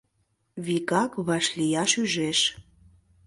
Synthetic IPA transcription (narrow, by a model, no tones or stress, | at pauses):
βikɑkβɑʃlijɑʃyʒeʃ